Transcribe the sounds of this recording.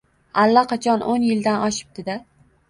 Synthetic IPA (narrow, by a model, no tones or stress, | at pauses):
alːaqʰɑt͡ʃʰɒnʔonjɪld̪anɒʃɪ̥p̚d̪̥ɪd̪a